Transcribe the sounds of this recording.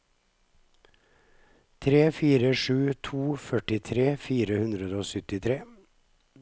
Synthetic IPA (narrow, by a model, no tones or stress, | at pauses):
t̪ʰɾeːfiːɾəʃʉːt̪ʰuːfœʈɪt̪ʰɾeːfiːɾəhʉnd̪ɾəd̪əoːsʏt̪ɪt̪ʰɾeː